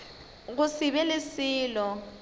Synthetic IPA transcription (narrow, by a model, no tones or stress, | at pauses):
ɣusiβɛlɪsiːlɔ